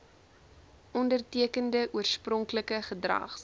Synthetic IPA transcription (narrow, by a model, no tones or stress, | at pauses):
ʔɔndərtiəkəndəʔuərsprɔŋkləkəχədrɐ̰χ